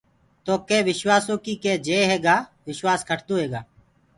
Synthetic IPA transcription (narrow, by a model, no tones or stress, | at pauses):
t̪oːkeːʋɪʃwaːsõːkiːkeːd͡ʒeːɦeːɡaːʋɪʃwaːskʰəʈʰt̪oːɦeːɡaː